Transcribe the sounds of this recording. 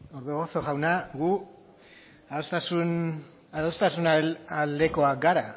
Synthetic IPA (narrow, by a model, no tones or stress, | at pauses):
oɾðuɣosoɣawnaɣu | aost̪asun | aðost̪asunalald̪e̞ko̞akɡaɾa